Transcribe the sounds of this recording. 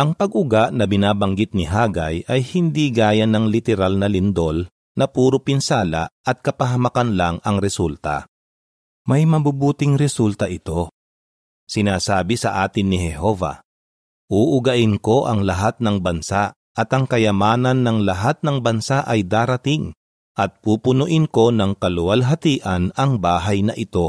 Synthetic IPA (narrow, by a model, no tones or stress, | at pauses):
ʔɐŋpɐɡʊɡaʔnɐbɪnaːbɐŋɡɪt̪̚nɪɦaːɡa̰jʔɐjhɪnd̪iɡaːjɐnɐŋlɪt̪ɛɾalnɐlɪnd̪o̞l | nɐpuːɾopɪnsaːla̰ʔɐt̪̚kɐpɐɦɐmɐkanlaŋɐŋɾɛsult̪ɐ̰ | mɐjmɐbubuːt̪ɪŋɾɛsult̪ɐʔɪt̪o̞ | sɪnaːsaːbɪsɐ̰ʔaːt̪ɪnːɪhɛɦo̞ːva̰ | ʔuːʔʊɡɐʔɪnko̞ʔɐŋlɐɦat̪̚nɐŋbɐnsa | ʔɐt̪ʔɐŋkɐjɐmaːnɐnːɐŋlɐɦat̪̚nɐŋbɐnsaʔɐjd̪aːɾɐt̪ɪŋ | ʔɐt̪̚puːpʊnʊʔɪnko̞nɐŋkɐlʊwɐlɦɐt̪iːʔɐnɐŋbaːɦajnɐʔɪt̪o̞